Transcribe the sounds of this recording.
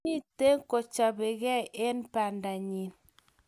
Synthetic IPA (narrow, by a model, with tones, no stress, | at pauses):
i˦te˦ŋ̩˦ko˨t͡ʃa˨be˨ɣɛ˦ʔe˦npa˨nda˨ɲi˨n